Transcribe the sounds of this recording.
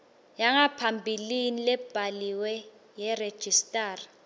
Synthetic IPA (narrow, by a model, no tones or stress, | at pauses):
jaŋapʰambʱilinilɛb̥ʱaliwɛ | jɛred̥ʒ̥ʱistʼaːra